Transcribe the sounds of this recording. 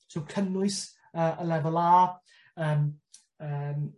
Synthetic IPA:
sowkʰənʊɨs | əːʔəlɛvɔlˠaː | əːm | əm

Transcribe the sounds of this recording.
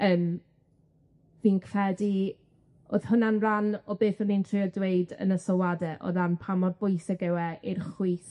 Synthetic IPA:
əːm | viːnkʰr̥ɛdi | o̰ːð̥hʊnanranɔbeːθɔnintʰrɪɔdwejdə̰nəsɔwadɛʔɔ̰ðanpʰamɔdbʊjsɪɡɛwɛʔirχwiːθ

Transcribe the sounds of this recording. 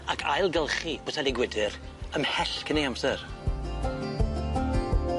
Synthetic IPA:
akʰa̰jlˠɡɛlˠχib̥osʰalɪɡwɪdɨɾ | əmhɛɬkʰənejamsɛr

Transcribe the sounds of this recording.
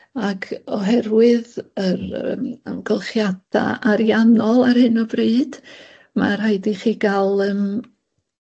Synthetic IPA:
akʰɔɦɛrwɪðəɾ̰mə̰mɡəlˠχjad̥a̰aɾjanɔlˠarhɨnɔbreɨd̥ | ma̰r̥hajdiχiːɡalˠəm

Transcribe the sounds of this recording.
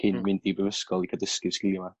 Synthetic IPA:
kʰɪnmɪndibəvəskɔlˠikʰadəskɪvskɪlˠma

